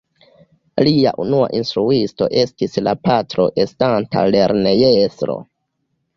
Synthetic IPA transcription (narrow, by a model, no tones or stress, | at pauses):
lia̰ʔunua̰ʔinstɾuisto̞̰ʔe̞stislapatɾo̞̰ʔe̞stanta̰le̞ɾne̞jesɾo̞̰